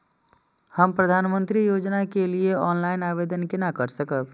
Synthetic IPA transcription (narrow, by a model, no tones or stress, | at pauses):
həmpɾəd̪ʱanmənt̪ɾijod͡ʒnakelieɔnlajinabed̪ənkenakəɾsəkəb